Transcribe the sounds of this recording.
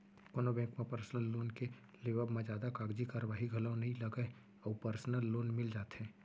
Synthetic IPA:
koːnobɛ̃ːŋkmẽpəɾsnəlːoːnke | leːʋəbmẽd͡ʒjaːd̪akaːɡd͡ʒikaɾəʋaːɦiɡʱɐləʊ̃nɐɦĩlɐɡəe | ɔːpəɾsnəlːoːnmɪld͡ʒaːt̪ɦɛ̃ː

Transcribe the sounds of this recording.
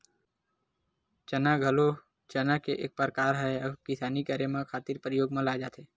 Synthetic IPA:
t͡ʃənaɡʱəlo | t͡ʃənakeʔḛːk̚pəɾkaːɾɦɛɔkɪsaːnikaːɾemãkʰaːt̪iːɾpɾəjoːɡmãlad͡ʒaːt̪eː

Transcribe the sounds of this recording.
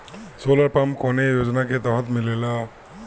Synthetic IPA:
solaɹpamkɔnejozɔnakɛt̪ɔɦɔtmilɛla

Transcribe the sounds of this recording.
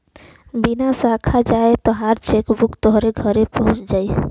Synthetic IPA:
binasakʰad͡ʒaet̪ɔɦaɾt͡ʃekbukt̪ɔɦɾeɡʱəɾepəɦũt͡ʃd͡ʒai

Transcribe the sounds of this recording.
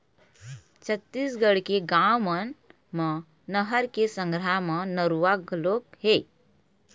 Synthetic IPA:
t͡ʃʰət̪ːisɡəɽkeɡamən | mə | nəɦəɾkesə̃ŋɡɾamə̃nəɾuʋaɡlokɦe

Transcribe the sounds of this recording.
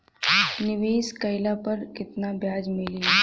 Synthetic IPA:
nɪʋeːskɐɪlapɐɾkɪt̪nabjaːd͡ʒmɪli

